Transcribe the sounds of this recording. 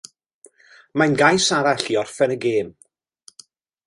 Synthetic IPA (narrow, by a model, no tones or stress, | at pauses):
manɡajsaɾaɬiɔrfɛnəɡeːm